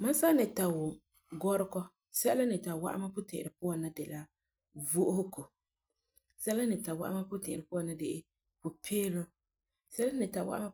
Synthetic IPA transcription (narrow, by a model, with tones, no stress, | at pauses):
ma˦sa˦nɪ˨ta˨wʊ˨ | ɡɔ˦ɾɪ˦kɔ˦ | sɛ˦la˦nɪ˨ta˨wa̰˦ʔa̰˦ma˦pʊ˦tɪ̰̃˨ʔɪ˨ɾɪ˨pʊ˦wa˨na˦dɪ˨la˦ | vo˦ʔʊ˦hʊ˦ko˨ | sɛ˦la˦nɪ˨ta˨wa̰˦ʔa̰˦ma˦pʊ˦tɪ̃˨ʔɪ˨ɾɪ˨pʊ˦a˨na˦dɪ˦ʔɪ˦ | pʊ˨pʰeː˦lo˦ | sɛ˦la˦nɪ˨ta˨wa̰˦ʔma˦